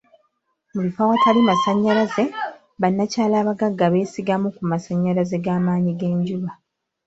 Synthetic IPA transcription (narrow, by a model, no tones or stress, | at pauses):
mulifawatalimasaɲːalaze̞ | βanːacaːlaːβaɡaɡːaβe̞ːsiɡamukumasaɲːalaze̞ɡaːmaːɲiɡe̞ːɲɟuβa